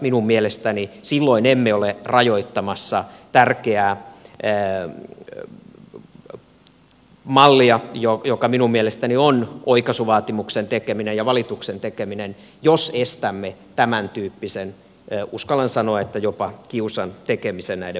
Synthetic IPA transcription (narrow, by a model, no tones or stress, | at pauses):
minummielest̪ænisilːoinemːeolerɑjoit̪ːɑmɑsːɑt̪ærkeæː | mɑlːiɑjojokɑminummielest̪ænionʔoikɑsuʋɑːt̪imuksent̪ekeminejjɑʋɑlit̪uksent̪ekeminen | josest̪æmːet̪æmænt̪yːpːisenː | uskɑlɑnsɑnoɑet̪ːæjopɑkiusɑnt̪ekemisennæide